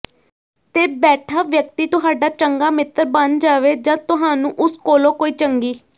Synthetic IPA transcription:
t̪eːbɛːʈʰaːʋjək̚t̪iːt̪ʊɦaːɖaːt͡ʃəŋɡaːmɪt̪əɾbənd͡ʒaːʋeːd͡ʒãːt̪ʊɦaːnũːʔʊskoːlõːkoːiːt͡ʃəŋɡiː

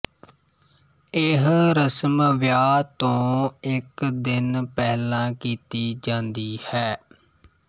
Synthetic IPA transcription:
ɪɦɾəsmʋjaːt̪õːɪkd̪ɪnpɛːlãːkiːt̪iːd͡ʒãːnd̪iːhɛː

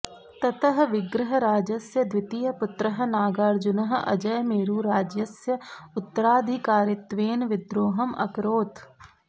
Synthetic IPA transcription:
t̪ɐt̪əɦʋɪɡɾɪɦəɾaːd͡ʒɐsjɐd̪ʋɪt̪ijɐpʊt̪ɾəɦ̆naːɡaːɾd͡ʒʊnɐɦɐ̰d͡ʒɐjmeːɾuːɾaːd͡ʒjɐsjɐʊt̪ːəɾaːd̪ʱikaːɾɪt̪ʋeːnʋɪd̪ɾoːɦɐmɐ̰kɾoːt̪

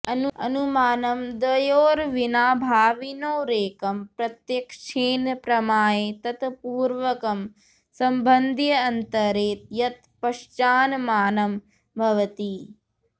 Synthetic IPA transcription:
ɐnuɐ̰numaːnɐmd̪ʋɐjoːɾʋinaːbʱaːʋinoːɾeːkɐmpɾɐt̪jɐkʂeːnɐpɾɐmaːjeːt̪ɐt̪puːɾʋɐkɐm | sɐmbʱɐnd̪ʱjɐɐnt̪ɐɾeːt̪̚jɐt̪pɐʂt͡ʃaːnɐmaːnɐm | bʱɐʋɐt̪i

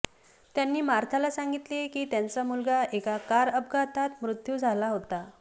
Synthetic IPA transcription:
t̪janːiːmaɾt̪ʰalasaŋɡit̪lekiːt̪jant͡samulɡaekakaɾəb̚ɡat̪ʰat̪mɾut̪jud͡zʱalaɦot̪a

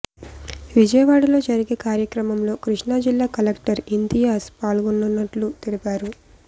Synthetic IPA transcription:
ʋid͡ʒɐjɐʋaːɽɐlo̞ːd͡ʒɐɾiɡe̞ːkaːɾjɐkɾɐmɐmlo̞ːkɾiʂɳaːd͡ʒilːaːkɐlekʈɐɾind̪ijaːspaːlɡunːunːɐʈlut̪ilipaːɾu

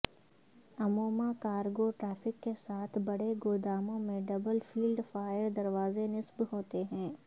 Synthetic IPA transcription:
ɐmoːmakaːɾɡoʈɾaːfɪkːesaːt̪ʰbɐɽeɡoːd̪aːmõmẽɖɐbəlfʰiːlɖfaːjəɾd̪ɐɾʋaːzenɪsbɦoːt̪eɦɛ̃ː

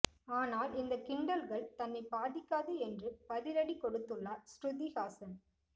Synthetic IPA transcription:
aːnaːlɪnd̪ɐkɪɳɖɐlɣɐɭt̪ɐnːɐɪpaːðɪkːaːðɯɛndrɯpɐðɪɾɐɽikːɔɽɯt̪ːɯɭːasʈʊðiɣaːsɐn

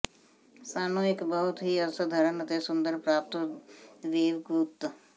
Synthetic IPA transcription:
saːnoːɪkbəɦʊt̪ɦiəɾsəd̪ʱəɾənət̪esʊ̃nd̪əɾpɾaːp̚t̪ | ʋeːʋɡuːt̪

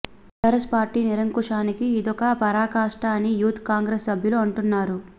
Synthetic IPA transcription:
ʈɐɾɐspaːɾʈiːniɾɐŋkuʂaːnikiːd̪ɔkɐpɐɾaːkaːʂʈaːnijuːt̪ʰkaːŋɡɾesːɐbʱjɐluɐɳʈunːaːɾu

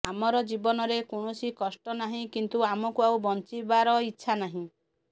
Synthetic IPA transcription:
amɔɾɔd͡ʒibɔnɔɾekoɳ̃usikɔsʈɔnaɦĩkint̪uamɔkuawbɔnt͡ʃibaɾɔitːʃʰanaɦĩ

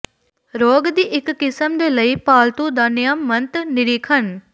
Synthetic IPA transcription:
ɾoːɡd̪iːʔɪkːɪsəmd̪eːləiːpaːlt̪ũːd̪aːnɪjamːənt̪nɪɾiːkʰən

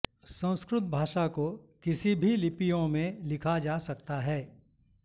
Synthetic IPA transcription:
sɐ̃w̃ʊ̃skɾʊt̪̚bʱaːʃakokɪsibʱilɪpijõmẽlɪkʰad͡ʒaːsɐkt̪aɦɛː

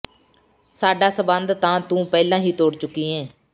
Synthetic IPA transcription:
saːɖaːsəbənd̪t̪ãːt̪ũːpɛːlãːɦiːt̪oːɽt͡ʃʊkːiːẽː

